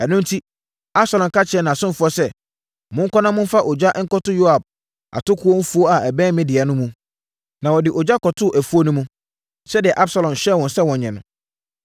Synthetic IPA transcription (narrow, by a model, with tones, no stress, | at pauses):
ɛ˨nʊ̃˦n˦tʰi˦ | a˦b̥sa˨lɔ̃˨m˨kʰa˦t͡ɕʰɪ˨ɛ˦nã˨sʊ̃˦n˦fʊ˦ɔ˦sɛ˦˨ | mʊ̃˦ŋ̩˦kʰʷɔ˦nã˦mʊ̃˦fa˦ʔɔ˨d͡ʑa˦ʔŋ̩˦kɔ˦tʊ˦jo˦a˨b̚ | ʔa̰˨tʊ˦kʰʊ˦ɔ˦fu˦o˦a˨ɛ˨bɛ̃ː˦mɪ̃˦dɪ˨ɛ˨nʊ̃˦mũ˦ | nã˨wɔ˨dɪ˨ʔɔ˨d͡ʑa˦kʰɔ˨tʰʊ˦˨ʔæ˨fu˦o˦nʊ̃˦mũ˦ | sɛ˦dɪ˨ɛ˨ʔa˦bsa˨lɔ̃˨m˨ɕɛ˦˨wɔ̃˨nsɛ˦wɔ̃˨ɲɲɛ̃˨nʊ̃˨